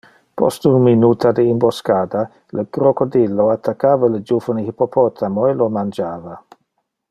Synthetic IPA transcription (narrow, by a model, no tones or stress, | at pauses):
pɔ̰st̪unminuːt̪ʰad̪əimboskaːd̪a | ləɡɾokod̪ilːoat̪ʰːakːaːvaləd͡ʒuːvənəhipopʰɔt̪ʰamoelomand͡ʒaːva